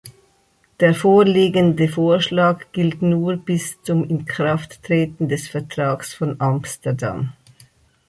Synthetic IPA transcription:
d̥eːɐfoːliːɡəndəfoːɐʃlaːkɡ̥ɪltnuːb̥ɪst͡sʊmɪnkʁ̥aftːʁ̥eːtn̩dɛsfɛɐtʁ̥aːksfɔnʔamstəda̰m

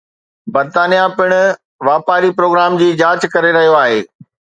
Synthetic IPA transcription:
bɐɾt̪aːnijapɪɽ̃ʊ | ʋaːpaːɾipɾoːɡɾaːmd͡ʑiːd͡ʑaːt͡ɕkɐɾeɾɐɦijoaːɦḛː

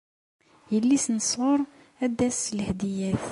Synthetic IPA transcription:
jəlːisnəsˤwʊɾˤ | æd̪æslhd̪ijæθ

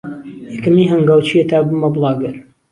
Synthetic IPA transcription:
jɛkɨmiːɦɐŋɡaːwt͡ʃʰiet̪ʰaːbɨmɐblˠɑːɡɨɾ

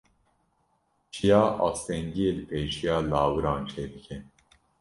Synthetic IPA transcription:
t͡ʃʰijɑːʔɑ̰ːst̪ɛŋɡijeːlɨpʰeːʃijɑːlɑːwɨɾɑːnt͡ʃʰeːd̪ɨkʰɛn

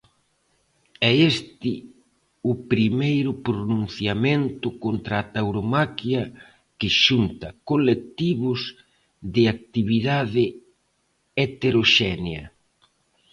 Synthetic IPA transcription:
ɛest̪ɪ | ʊpɾimejɾʊpɾonũn̟θjament̪ʊkont̪ɾaːt̪awɾomakjɐ | kɪʃunt̪ɐkolek̚t̪iβʊz | ðɪak̚t̪iβiðaðɪ | et̪eɾoʃɛnjɐ̰

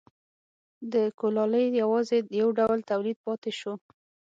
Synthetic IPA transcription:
d̪əkolɑləjjawɑzejawɖawlt̪awlid̪̚pɑt̪eʃo

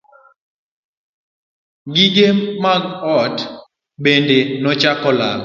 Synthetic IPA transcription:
ɡiɡemaɡɔt | ɓendenɔt͡ʃakɔla̰l

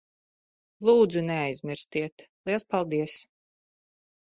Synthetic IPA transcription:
lˠuːd̪zuneajzmʲiɾst̪iɛt̪lˠiɛlˠspalˠd̪iɛs

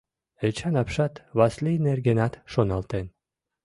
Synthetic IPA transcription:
et͡ʃʰanapʃat̪vaslʲijnerɡʲenat̪ʃonalˠt̪en

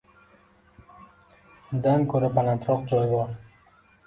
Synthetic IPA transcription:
ʊnd̪ankʰɵɾabalant̪ʰɾɒqd͡ʒɒjbɒɾ

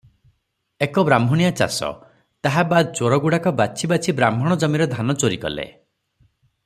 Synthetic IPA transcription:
ekɔbɾambʱɔɽ̃ijat͡ʃa̰sɔ̰ | t̪aɦabad̪t͡ʃoɾɔɡuɽakɔbat͡ʃʰibat͡ʃʰibɾambʱɔɽ̃ɔd͡ʒɔmiɾɔd̪ʱanɔt͡ʃoɾikɔ̰lḛ

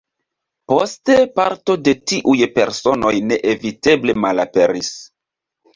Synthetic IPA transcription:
po̞ste̞paɾto̞de̞tiʔujpe̞̰ɾso̞no̞jne̞ʔevite̞ble̞malape̞ɾis

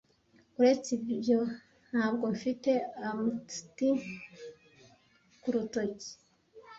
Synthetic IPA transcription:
uɾe̞t͡sibjo | n̥haːbɡo̞ɱfite̞amui̥tin | kuɾutoci̥

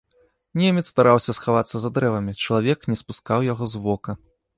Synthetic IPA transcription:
nʲemʲɛt̪st̪aɾawsʲɐsxavat̪sːɐzad̪ɾɛvɐmʲit͡ʂɐlˠavʲɛknʲɛspuskawjaɣɔzvɔkɐ

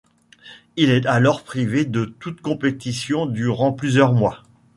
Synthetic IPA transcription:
ilɛt̪alɔʁpχived̪ət̪ut̪kɔ̃pet̪isjɔ̃d̪yʁɑ̃plyzjœʁmwa

